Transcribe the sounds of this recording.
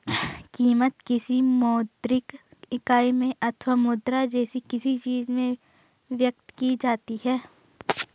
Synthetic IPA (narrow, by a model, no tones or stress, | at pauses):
kiːmət̪kɪsimɔːd̪ɾɪkɪkaːemẽʔɐt̪ʰʋaːmʊd̪ɾad͡ʒɛːsikɪsit͡ʃiːzmẽ | ʋjək̚t̪kid͡ʒaːt̪iɦɛː